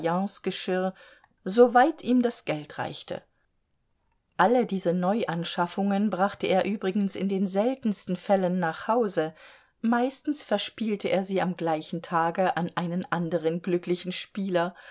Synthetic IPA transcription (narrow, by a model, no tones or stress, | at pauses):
jɑ̃ːsɡ̥əʃɪɐ | zovaɪtʰiːmdasɡ̥ɛltʁ̥a̰ɪçtʰə̰ | ʔalədiːzənɔʏʔanʃafʊŋənbʁaχtəʔeːɐʔyːbʁɪɡn̩sɪ̰ndeːnzɛltn̩stn̩fɛlənːaːχhaʊzə | maɪstn̩sfɛɐʃpiːltəʔḛːɐziːamɡlaɪçn̩tʰaːɡəʔanʔaɪnənʔandəʁ̞ənɡlʏklɪçn̩ʃpiːlɐ